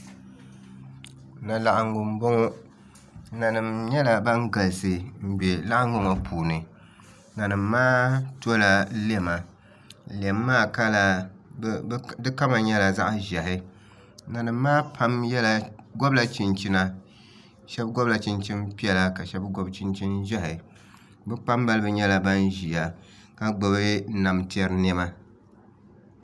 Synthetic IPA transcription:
na˨la˨ʔŋʊ˨mbo˦ŋɔ˦ | na˨nɨ˨mɲɛ˦la˨ba˦ŋ˦ɡa˨lsɨ˨m̩˦be˨la˦ʔa˦ŋɡʊ˦ŋa˨pʰuː˨nɨ˨ | na˨nɨ˨mːaː˦tu˦o˦la˨˦le˦˨ma˨ | le˨mː˦aː˦ka˦la˨˦ | dɨ˦ka˦ma˨ɲɛ˦la˨za˦ʔʒɛ˨hɪ˦ | na˨nɨ˨mː˦aː˦pʰa˦mjɛ˦la˨ɡɔ˦bla˨t͡ʃi˨nt͡ʃi˦na˦ | ʃɛ˦bɡɔ˦bla˨t͡ʃɪ˦nt͡ʃi˦npi˦ɛ˨la˦ka˨ʃɛ˦bɡɔ˦bt͡ʃɪ˦nt͡ʃi˦nʒɛ˦hɪ˨ | bɨ˦k͡pa˦mba˦lɨ˦bɨ˦ɲɛ˦la˦ba˦nʒi˨a˨ | ka˦ɡ͡bo˨bɪ˦na˨mti˦ɛ˦ɾɨ˦nɛ˦ma˦

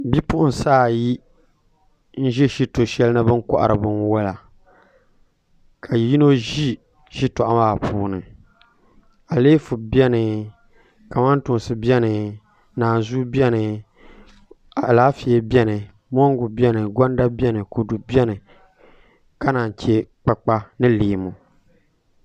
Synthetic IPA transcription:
bi˦pʊ˦ʔʊ˦n˨saː˦˨ji˦ | n̩˦ʒɛ˦ʃi˦to˨ʃɛ˦lnɨ˦bɨ˦ŋ˦kɔ̰˨ʔa̰˨ɾɨ˨bɨ˦nwɛ˦la˨ | kʰa˨ji˦no˦ʒi˦ | ʃi˦tɔ˨ʔa˦maː˦˨pʰuː˨nɨ˨ | a˨leː˦fu˨bɛ˦nɨ˨ | ka˨ma˦ntʊ˨n˨sɨ˨bɛ˦nɨ˨ | naː˨nzu˦bɛ˦nɨ˨ | a˨laː˦fi˨e˦bɛ˦nɨ˨ | mɔ˦ŋ˦ɡʊ˨bɛ˦nɨ˨ɡɔ˦n˦da˦bɛ˦nɨ˨ko˨du˨bɛ˦nɨ˨ | ka˦naː˨n˨t͡ʃe˦k͡pa˨k͡pa˦nɨ˦leː˨mu˨

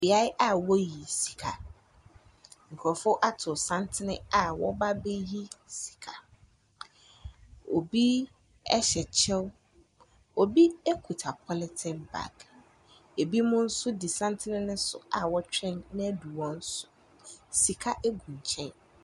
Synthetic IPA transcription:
bɪ˨a˦jʔa˦wɔ˦ji˨si̥˨kʰa˨ | ŋ̩˨kʰɔ˨fʊ˦ʔa˦tʰʊ˨sã˦ntʰɪ˦nɪ̰̃˦a˨wɔ̰˦ba˦be˦ji˦si̥˨kʰa˨ | o˨bi˦ | ɛ˦ɕɛ˨t͡ɕʰɛ˦w | o˨bi˦e˦kʰu˨tʰa˨pʰɔ˦lɪ˨˦tʰɪ̃˨nba̰˨k | e˨bi˦mʊ̃˦n̩˦sʊ˦di˨sã˦n˦tʰɪ˦nɪ̃˦nʊ̃˦sʊ̰˨a˨wɔ˦t͡ɕᶣɛ̃˦nnɪ̃˦du˨wɔ̃˦n̩˦sʊ̥˦ | si˨kʰa˦ʔe˦ɡũ˨ɲ˨t͡ɕʰɛ̃˦n

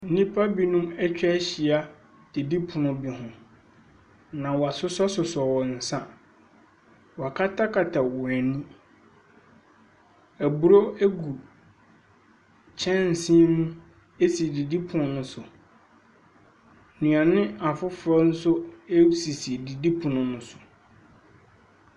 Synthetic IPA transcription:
n̩˦nĩ˦pʰa˦bi˦nũ˦mɛ˦t͡ɕᶣɕi˨a˦ | d̥i˨di˦pʰʊ̃˨nʊ̃˨bi˨ɦʊ̃˨ | nã˨wɔ˨a˨sʊ˦sɔ˦sʊ˨sɔ˨wɔ˨n̩˨sã˦ | wɔ˨a˨kʰa˦tʰa˦kʰa˨tʰa˨wɔ˨æ˨nĩ˦ | æ˨bu˨ɾo˦æ˦ɡu˨ | t͡ɕʰɛ̃˦n̩˨sĩ˦nũ˦ | e˦si˨di˨di˦pʰʊ̃˨nʊ̃˨nʊ̃˦sʊ˨ | nũ˨a˨nɪ̃˦a˨fʊ˦fɾɔ˦n̩˦sʊ˦e˦si˨si˨di˨di˦pʰʊ̃˨nʊ̃˨nʊ̃˦sʊ̥˨

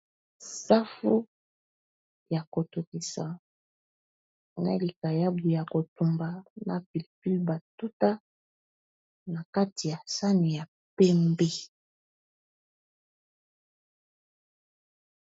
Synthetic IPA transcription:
sa˦fu˦ | ja˨ko˨tu˨ki˨sa̰˨ | na̰˨˦li˨ka˨ja˦bu˨ja˨ko˨tu˨mba˨na̰˨pi˨lpi˦lba˨tu˦ta˦ | na˨ka˦ti˨ja˨sa˦ni˨ja˨ | pɛ˦mbe˦

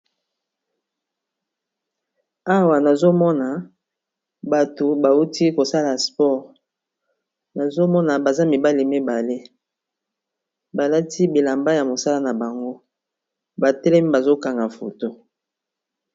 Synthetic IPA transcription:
a˦wa˨na˨zo˦mɔ˦na˨ | ba˨to˨ba˨u˦ti˦ko˨sa˦la˨spɔ˦˨ʁ | na˨zo˦mɔ˦na˨ba˨za˦mi˨ba˦le˨me˦ba˨le˦ | ba˨la˦ti˦bi˨la˨mba˦ja˨mo˨sa˦la˦na˨ba˨ŋɡo˦ | ba˨tɛ˦lɛ˦mi˦ba˨zo˦ka˨ŋɡa˨fo̰˨to˦

